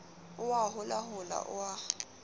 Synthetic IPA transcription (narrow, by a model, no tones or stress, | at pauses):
ʊwaɦʊlaɦʊla̰ʔʊwa